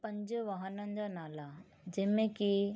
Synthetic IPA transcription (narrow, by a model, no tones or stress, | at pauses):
pɐ̃ɲd͡ʑʋɐɦənənɪ̆d͡ʑanaːla | d͡ʑɐɦmẽki